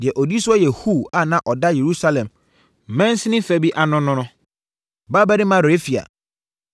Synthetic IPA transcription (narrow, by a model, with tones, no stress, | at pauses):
dɪ˨ɛ˨ʔɔ˨di˦sʊ˦ɔ˦jɛ˨hu˦˨a˦˨nã˨ʔɔ˨da˦je˨ɾu˦sa˦lɛ̃˨m | m̩˨mɛ̃˦n˦sɪ˦nɪ̃˦fæ˦bi˦ʔa˨nʊ̃˦nʊ̃˦nʊ̃˦ | ba˦ba˦ɾɪ˦mã˦ɾe˦fi˨a̰˨